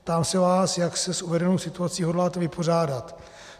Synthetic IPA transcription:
t̪aːmsɛvaːsjaksɛsuvɛdɛnowsɪt̪uat͡siːɦo̞dlaːt̪ɛvɪpʰo̞raːdat̪

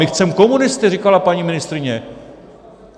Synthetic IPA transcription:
ɪxt͡sɛmko̞munɪst̪ɪrikalapaɲimɪnɪst̪ɾɪɲɛ

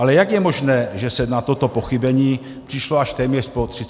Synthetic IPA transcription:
alɛjaɡjɛmo̞ʒnɛːʒɛsɛnat̪o̞t̪o̞po̞xɪbɛɲiː | pr̥ɪʃloaʃt̪ɛːmɲɛr̥po̞t̪r̥ɪ

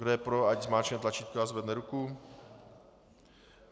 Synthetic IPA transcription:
ɡdɛjɛpɾoaɟzmaːt͡ʃɲɛt̪lat͡ʃiːt̪̚koazvɛd̪nɛɾuku

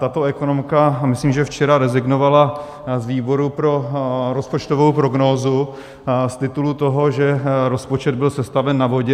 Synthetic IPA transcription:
t̪at̪o̞ɛko̞nomkamɪsliːmʒɛft͡ʃɛɾaɾɛzɪɡnovala | zviːbo̞ɾupɾo̞ɾo̞spo̞t͡ʃt̪o̞vowpɾo̞ɡnoːzu | st̪ɪt̪ulut̪o̞ɦo̞ʒɛɾo̞spo̞t͡ʃɛd̪̚bɪlsɛst̪avɛnːavo̞ɟɛ

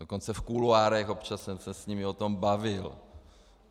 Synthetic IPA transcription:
doko̞nt͡sɛfkuluaːɾɛxopt͡ʃasɛsɛsɲimɪot̪o̞mbavɪl

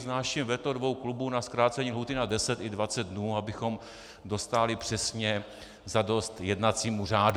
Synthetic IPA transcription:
znaːʃimvɛt̪odvo̞wklubunaskɾaːt͡sɛɲiːlɦuːt̪ɪnadɛsɛt̪ɪdvat͡sɛd̪̚dnuːabɪxo̞m | do̞st̪aːlɪpr̥ɛsɲɛ | zado̞st̪jɛdnat͡siːmuraːd

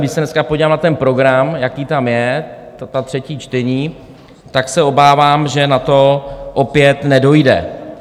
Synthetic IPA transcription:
dɪsɛnɛskapoɟiːlaːmnat̪ɛnpɾoɡɾamjakiːt̪amjɛt̪at̪r̝̥ɛciːt͡ʃt̪ɛɲiː | t̪aksɛo̞baːvaːmʒɛnat̪o̞ʔopɪjɛt̪nɛdo̞jdɛ̰

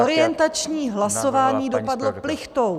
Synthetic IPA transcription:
oɾɪjɛnt̪at͡ʃɲiːɦlaso̞vaːɲiːdo̞padlo̞plɪxt̪ow

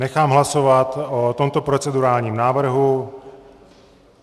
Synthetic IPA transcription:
nɛxaːmɦlasovat̪ot̪o̞mt̪o̞pɾo̞t͡sɛduɾaːlɲiːmnaːvr̩ɦu

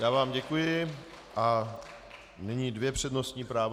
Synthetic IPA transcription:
jaːvaːmɟɛkujɪ | ʔa | nɪɲiːdvjɛpr̝̥ɛdno̞st̪ɲiːpɾaːv

